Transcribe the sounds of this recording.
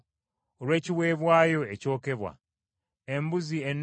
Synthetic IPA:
oɾwe̞ːciwe̞ːβwaːjo̞eco̞ːke̞βwa̰ | embuzienː

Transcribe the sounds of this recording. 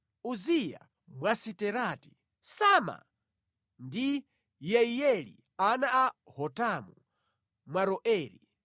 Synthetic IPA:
uzija̰ | mwasitɛɾati̥ | sama̰ | ndi | jɛijɛlḭ | anaahɔtamu | mwaɾɔʔɛːɾḭ

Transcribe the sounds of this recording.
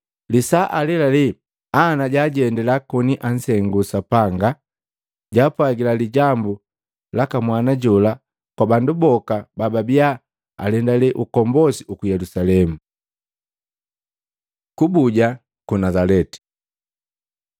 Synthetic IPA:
lisaʔalɛlali | anaɟaːɟɛndɛlakɔniʔan̩sɛŋɡusapaŋɡa | ɟaːpwaɡilaliɟambu | lakamwanaɟɔla | kwabandubɔkabababia | a̰lɛndaliʔukɔmbɔsiukujɛlusalɛmu | kubuɟa | kunazalɛti̥

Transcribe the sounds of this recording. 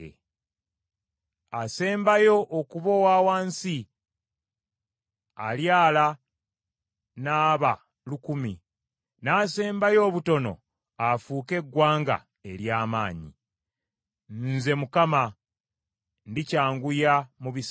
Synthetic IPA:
ase̞ːmbajo̞ʔːkuβowaːwaːnsi | aljaːla | naːβa | lukumi | naːse̞ːmbajo̞ːβuto̞no̞̰ | afuːke̞ɡwaːŋɡa̰ | e̞ɾjaːmaːɲḭ | nze̞mukama | ndicaːŋɡujamuβis

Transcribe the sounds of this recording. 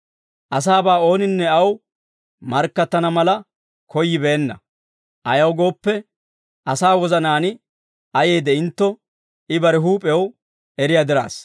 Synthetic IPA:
ʔɐs̬aːbaːo̞ːnɪnːɛɐw | mɐɾkːɐt̪ːɐnɐmɐlɐ | kɔjːɪbeːnːɐ̰ | ʔɐjɐwɡo̞ːpːɛ | ʔɐsaːwɔzɐnaːnɪ | ɐje̞ːd̪ɛɪnt̪ːɔ | ɪbɐɾɛɦuːpʼɛw | ɛɾɪjad̪ɪɾa̰ːs

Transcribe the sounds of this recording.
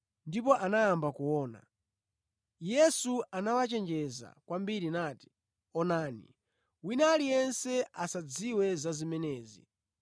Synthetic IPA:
ndip̬ɔʔanajambakuwɔːna̰ | jɛsuanawat͡ʃɛnd͡ʒɛza̰kwambiɾinaːti̥ | ɔnaːnḭ | winalijɛnsɛasad͡ziwɛzazimɛnɛːzḭ

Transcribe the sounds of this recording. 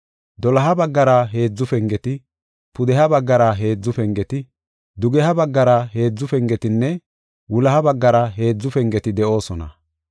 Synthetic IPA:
d̪ɔlɐɦɐbɐɡːɐɾɐɦe̞ːd͡zːʊfɛŋɡɛt̪ɪ | pʊd̪ɛɦɐbɐɡːɐɾɐɦe̞ːd͡zːʊfɛŋɡɛt̪ɪ | d̪ʊɡɛɦɐbɐɡːɐɾɐɦe̞ːd͡zːʊfɛŋɡɛt̪ɪnːɛ | wʊlɐhɐbɐɡːɐɾɐɦe̞ːd͡zːʊfɛŋɡɛt̪ɪd̪ɛʔo̞ːsɔnɐ̰

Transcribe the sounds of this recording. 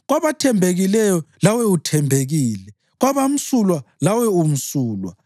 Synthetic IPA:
ɣwaβatʰɛmbʱeɣilɛjɔlawɛutʰɛmbʱeɣiːlɛ | ɣwaβam̩sulwalawɛum̩suːlwa̰

